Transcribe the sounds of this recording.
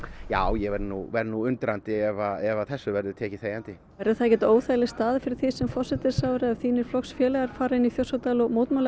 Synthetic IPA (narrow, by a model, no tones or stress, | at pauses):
jaːwjɛɣvɛɾnuvɛɾðnuʏnt̪ɾant̪ɪɛvaɛvaθɛsːʏvɛɾðʏt̪ʰɛːcɪθeːjant̪ɪ | ɛɾðʏθaðcɛt̪oːwθajlɪst̪aːðɪfɪɾɪɾ̥θisɛmfɔr̥sɛt̪ɪɾ̥saːwɾɪaðθiːnɪɾ̥flɔksfjɛːlɛɣaɾ̥faːɾaɪniθjowsat̪alɔɣmoːwt̪mal